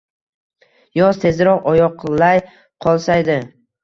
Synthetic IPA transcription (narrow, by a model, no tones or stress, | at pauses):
jɒzt̪ʰe̞zɾɒqɒjɒqlaj | qʰɒlˠsajd̪ɪ